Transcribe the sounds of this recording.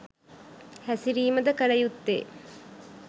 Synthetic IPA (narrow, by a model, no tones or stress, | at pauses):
hæsiɾiːməd̪əkəlɐjut̪ːḛː